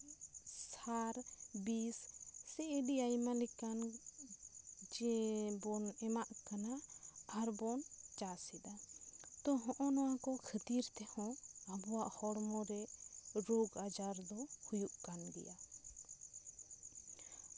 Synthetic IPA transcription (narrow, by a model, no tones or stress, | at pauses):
saɾbisːɛʔeɖiajmalɛkan | d͡ʒɛbɔnɛmaʔkanaaɾbɔnt͡ʃasɛd̪at̪ɔɦɔ̃ʔɔ̃nɔwakɔkʰət̪iɾt̪ɛhɔ̃abɔwaʔhɔɽmɔɾɛʔɾɔɡad͡ʒaɾd̪ɔhujuʔkand̪ḭja